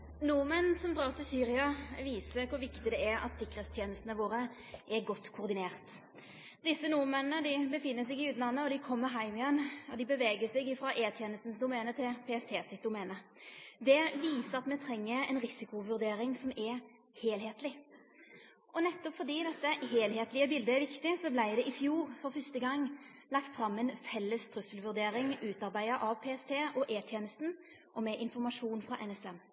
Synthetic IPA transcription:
numɛnsɔmd̪ɾɑːʁt̪ɪlsyːɾɪɑʋiːsəkʊɾʋɪkt̪ɪd̪ɛæɾɑ̰t̪sɪkːɾəɛːt̪st̪ʰjeːnəst̪nəʋoːʁə | ʔɛɾɡɔt̪ːkʰʊʁd̪ɪneːʁt̪ | d̪ɪsːənuːmɛnənəd̪ɪbəfɪnːəsɛɡɪʉːt̪nlɑnːəɔd̪ɪkʰɔmːəɾɦæɪmɪɛnːɔd̪ɪbəʋeːɡəsɛɡɪfɾɑʔeːt̪ʰjeːnəst̪n̩sd̪ʊmɛːnət̪ʰɪlpʰɛːɛst̪ʰeːsɪt̪̚d̪ʊmɛːnəd̪ɛʋiːsəʁɑt̪mɛt̪ʰɾɛŋːəɛnʁɪsɪkʊʋʉʁd̪eːɾɪŋsɔmɛ | heːlheːt̪lɪ | ʔɔnɛt̪ːɔpfɔd̪iːd̪ɛt̪ːəɦeːlheːt̪lɪəbɪld̪əɛʋɪkt̪ɪsɔblæɪd̪ɛʔɪfjuːʁfɔɾfœst̪əɡɑŋː | lɑkt̪fɾɑmːɛnfɛlːəst̪ʰɾʉsəlʋʉʁd̪eːɾɪŋʉːt̪ɑʁbæɪəʔɑʋpʰeːɛst̪ʰeːʔɔʔeːt̪ʰjeːnəst̪n̩ | ʔɔmɛʔɪnfɔʁmɑʂuːnfʁɑʔɛnɛsɛm

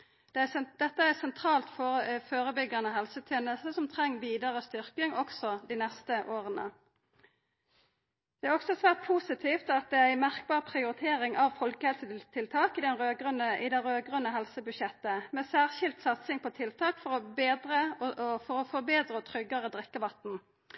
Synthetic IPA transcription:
d̪̥ɛd̪̥ɛt̪ːəæsɛnt̪ʰɾɑːlt̪fɔfoːɾəbʏɡːɑnəɦɛlsət̪ʰjeːnəst̪əsɔmt̪ʰʁɛŋːʋiːd̪ɑʁəst̪ʏʁkɪŋɔksɔd̪inɛst̪əʔoːʁənə̰ | d̪̥ɛæːʁɔksɔsʋæːʁt̪̚pʰuːsɪt̪ʰiːft̪ɑt̪̚d̪ɛææɪmæʁk̚bɑːʁpʰʁɪʊɾɪt̪ʰeːɾɪŋʔɑʋfɔlkəhɛlsət̪ʰɪlt̪ʰɑːkɪd̪ɛnʁøːɡʁʉnəʔɪd̪ɛɾøːɡʁʉnːəɦɛlsəbʉʃɛt̪ːəmɛsæːʁʃɪlt̪sɑt̪sɪŋpʰɔt̪ʰɪlt̪ʰɑːkfɔʁɔbeːd̪ʁəfɔɾɔfɔbeːd̪ɾət̪ʰʁʏɡɑʁəd̪ʁɛkːəʋɑt̪n̩

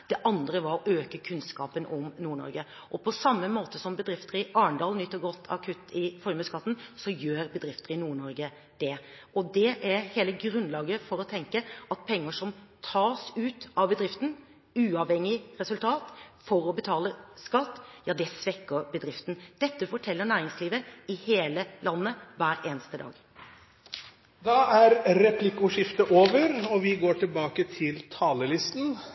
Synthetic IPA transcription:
d̪̥ɛʔɑnd̪ɾəʋɑɾɔʔøːkəkʰʉnskɑːpənɔmnuːɳɔ̰ɾɡə | ʔɔpʰɔsɑmːəmoːt̪əsɔmbəd̪ɾɪft̪əɾəɑːɳd̪ɑːlnʏt̪ːəɾɡɔt̪ʰːɑ̰kʰʉt̪ːɪfɔɾjməskɑt̪ːn̩sɔjøːɾbəd̪ɾɪft̪əɾənuːɳɔɾɡə | d̪̥ɛ | ʔɔd̪ɛʔæɾheːləɡɾʉnlɑːɡəfɔɾɔt̪ʰɛŋkəɑt̪̚pʰɛŋːəʂɔmt̪ʰɑːsʉːt̪ɑʋbəd̪ɾɪft̪n̩ | ʉːɑʋhɛŋːɪɾɛsʉlt̪ʰɑːt̪fɔɾɔbət̪ʰɑːləskɑt̪ːjɑːd̪ɛsʋɛkːəɾbəd̪ɾɪft̪n̩d̪̥ɛt̪ːəfɔʈʰɛlːəɳæːɾɪŋsliːʋəɪheːləlɑnːəʋæːɾeːnəst̪əd̪ɑ̰ːɡ | d̪ɑæɾɾɛpʰlɪkʊʂɪft̪əʔoːʋəɾɔʋɪɡoːʈʰɪlbɑːkət̪ʰɪlt̪ʰɑːləlɪst̪n̩

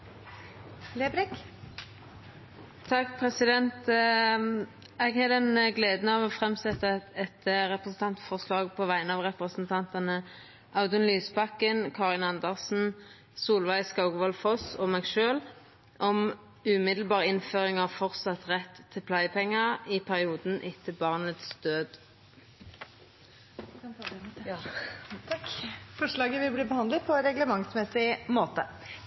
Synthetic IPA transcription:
leːbɾɪk | t̪ʰɑkːpʰʁɛsɪd̪ɛnt̪ | ɛɡhɛd̪ɛnɡleːd̪nɑʋɔfʁɛmsɛt̪ːəɛt̪ɾɛpʁəsn̩t̪ʰɑnt̪fɔʁslɑːɡ̚pʰɔʋæɪənɑʋʁɛpʁəsnt̪ʰɑnt̪ɑnə | ʔɑʊd̪ʉnlyːsbɑkːənkʰɑːʁɪnɑnd̪əʁsn̩ | suːlʋæɪskɑʊɡʋɔlfɔsɔmɛːɡʃøːl | ʔɔm | ʉmɪd̪l̩bɑːʁɪnføːʁɪŋɑʋfɔʁt̪sɑt̪ʁɛt̪ʰːɪlpʰlæɪpʰɛŋːəʁɪpʰæʁɪuːd̪n̩ʔɪt̪ʰːəbɑʁnət̪sd̪̥øːd̪ | fɔʂlɑːɡəʋɪlbliːbəhɑnd̪lət̪̚pʰɔɛnɾɛɡləmɑŋsmɛsɪmoːt̪ə

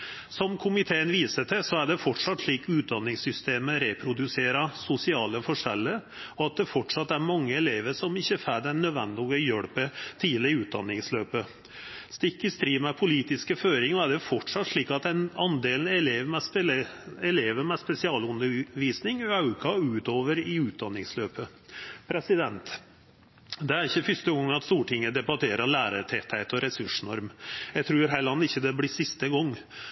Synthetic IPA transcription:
sɔmkʰʊmɪt̪ʰeːənʋiːsəʈ̪ʰɛsɔæɖɛfɔʈʂɑt̪ːʂɭiːkʉːt̪̚d̪ɑnːɪŋsʏst̪eːməɾɛpʰɾʊd̪ʉseːɾɑsʊsɪɑːləfɔʂɛ̰lːəɾ | ɔɑt̪̚d̪ɛfɔʈʂɑt̪ːæɾmɑŋːəɛleːʋəʂɔmɪçːəfæɖ̪ɛnœd̪ʋɛ̰nd̪ɪɔɡəjœɽpət̪ʰiːləɾʉːt̪̚d̪ɑ̰nːɪŋsløːpə | st̪ɪkːəst̪ɾiːmɛpʰʊliːt̪ɪskəføːɾɪŋɔæɖɛfɔʈʂɑt̪ːʂɭiːkɑt̪ɛnɑnd̪eːlnɛleːʋmɛ | ɛleːʋəmɛspɛsɪɑːlʉnːəʋiːsnɪŋɑʉkʰɑʉːt̪oːʋəɾɪʉːt̪̚d̪ɑnːɪŋsløːpə | pʰɾɛsɪd̪ɛnt̪ | d̪ɛæɾɪçːəfʏst̪əɡɔŋːɑt̪st̪uːʈʰɪŋːəd̪ɛbɑt̪ʰeːɾɑlæːɾət̪ʰɛt̪ʰhæɪt̪ɔɾɛsʉʂnɔɾmjæɪt̪ʰɾʉːɾɦæɭɑnːɪçːəd̪ɛbliːsɪst̪əɡɔŋː

